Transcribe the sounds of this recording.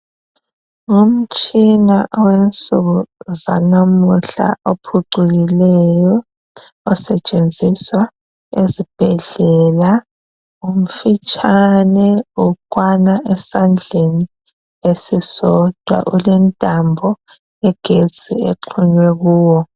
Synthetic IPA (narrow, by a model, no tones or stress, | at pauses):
um̩t͡ʃʼinaʔɔwent͡sʼuɣuzanamuɬa̰ʔopʰuǀuɣilɛjɔː | sɛt͡ʃʼend͡zʱiswa | ezib̥ʱɛɮɛla | um̩fit͡ʃʰʼanɛukʼwanaʔɛsand͡ɮʱeni | esisɔd̥ʱwa̰ʔulɛntʼambʱɔ | ɛɡ̥ʱet͡sʼḭeǃʰuɲwɛɣuːwɔ